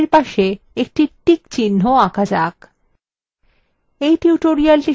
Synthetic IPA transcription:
ɾpaʃe | ek̚ʈiʈikt͡ɕinːoakad͡ʑak | ejʈiuʈoɾialʈi

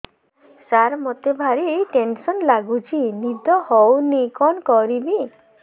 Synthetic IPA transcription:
saɾmɔt̪ebʱaɾiːʈensɔnlaɡut͡ʃʰinid̪ɔhɔwnikɔnkɔɾibi

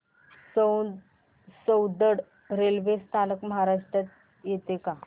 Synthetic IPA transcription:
səw | səwd̪əɽ | ɾelʋest̪aləkməɦaɾaʂʈɾat̪ | jet̪eka

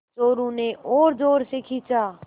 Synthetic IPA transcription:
t͡ʃoːɾũnẽʔoːɾdoːɾsekʰiːt͡ʃaː

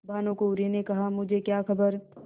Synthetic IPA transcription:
bʱaːnõkoʊɾinekɐɦamʊd͡ʒʱekjaːxʰɐbəɾ

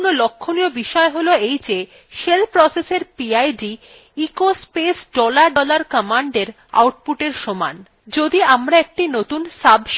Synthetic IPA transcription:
nolokʰːoniobiʃɔeɦoloejd͡ʑe | ʃelpɾɔseseɾpiajɖi | ikospesɖɔlaɾɖɔlaɾkəmaɳɖeɾ | a̰wʈ̚puʈeɾʃɔma̰n | d͡ʑod̪iamɾaek̚ʈinot̪unsabʱʃ

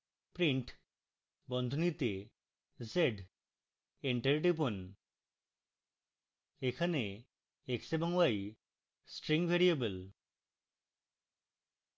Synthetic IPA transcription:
pɾiɳʈ | bɔnd̪ʱonit̪e | zeɖ | eɳʈeɾʈipon | ekʰane | eksebɔŋwaj | sʈɾiŋbʱeɾiebəl

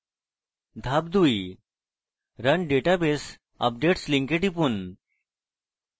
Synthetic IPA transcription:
d̪ʱab̚d̪ui | ɾənɖeʈabes | ə̰p̚ɖeʈsliŋkeʈipun

